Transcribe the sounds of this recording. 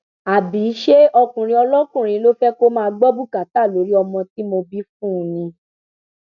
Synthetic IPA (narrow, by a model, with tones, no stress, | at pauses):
a˨bi˨˦ʃe˦ɔ˧kũ˨ɾ̃ĩ˧ɔ˧lɔ˦kũ˦˨ɾ̃ĩ˧˦lo˦fɛ˦ko˦mãː˦˧ɡ͡bɔ˦bu˦˨ka˨ta˦˨lo˨˦ɾi˦ɔ˧mɔ̃˧ti˦mo˧bi˦fũ˦˨nĩ˧